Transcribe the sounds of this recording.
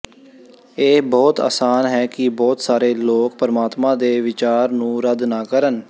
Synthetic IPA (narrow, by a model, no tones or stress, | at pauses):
eːbɔːt̪a̰ːsaːnɦɛːkɪbɔːt̪saːɾeːloːkpəɾəmaːt̪mãːd̪eːʋɪt͡ʃaːɾnũːɾəd̪naːkəɾən